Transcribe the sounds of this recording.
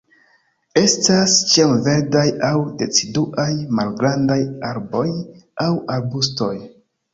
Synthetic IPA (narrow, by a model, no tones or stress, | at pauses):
e̞stast͡ʃiamve̞ɾdajawde̞t͡siduʔajmalɡɾandajaɾbo̞jawaɾbusto̞j